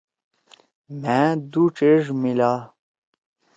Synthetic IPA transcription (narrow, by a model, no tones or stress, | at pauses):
mæ̃d̪uʈ͡ʂeʐmila